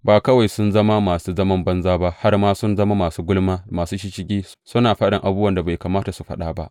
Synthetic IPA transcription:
baː˨kɐ˦wa˨jsʊ˦nzɐ˦ma˦maː˨suː˦zɐ˦mɐ˦mbɐ˦nzaː˦ba˦ha˦rmaː˦sʊ˦nzɐ˦ma˦maː˨suː˦ɡʊ˦lmaː˦˨maː˨suː˦ʃi˦ʃɪ˦ɡʲiː˦ | sʊ˦naː˨ɸɐ˦ɗɪ˨ŋʔa˨bu˦bwɐ˨nda˨ba˨jkaː˨maː˦ta˨su˨ɸɐ̰˦ɗaː˦ba̰˦ʔ

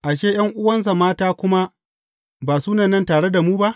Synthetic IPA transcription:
ʔa˨ʃeː˦j̰ɐ˦ŋʔʊ˦wɐ˦ns̬a˨maː˦taː˦kʷʊ˦ma˦ | baː˨suː˦nɐ˨nːɐ˦ntaː˨ɽe˦da˨muː˦ba˦ʔ

